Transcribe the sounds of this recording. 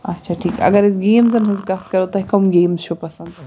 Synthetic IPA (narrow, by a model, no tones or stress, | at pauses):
ɐ̰tːʃʰaʈʰiːkɐ̰ɡɐɾɪs̬ɡeːmzɐnɦɐzɡɐt̪kɐɾot̪ɐɦikɐmɡeːmzt͡ʃʰupɐsɐnd̪